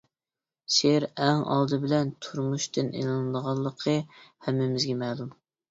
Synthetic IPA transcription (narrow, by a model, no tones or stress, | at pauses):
seɾɛŋɑ̰lˠd̪ɨbɪlɛnt̪ʰuɾmuʃt̪ɨnʔḛnɨnɨd̪əʁɑlˠːəqʰəhɛmːɪmɪzɡʲɛmɛlˠum